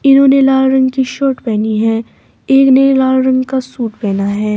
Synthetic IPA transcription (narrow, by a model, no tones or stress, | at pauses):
ɪnɦõːnelaːlɾɐ̃ŋɡkiʃoːʈpɛːniɦɛː | eːknelaːlɾɐ̃ŋɡkasuːʈpɛːnaɦɛː